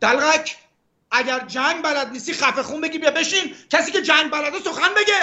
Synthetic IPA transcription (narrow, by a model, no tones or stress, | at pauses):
d̪̥ælɣæcʰ | æɟæɾd͡ʒæŋɡbælæd̪̚niːst̪iːxæfexuːnbeɟʲiːbijɛbeʃiːmcʰæsiːcʰed͡ʒæŋɡ̚bælæd̪esoxænbeɟe